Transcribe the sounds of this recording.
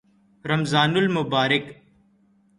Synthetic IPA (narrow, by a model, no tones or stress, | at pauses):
ɾəmzaːnʊlmʊbaːɾɪk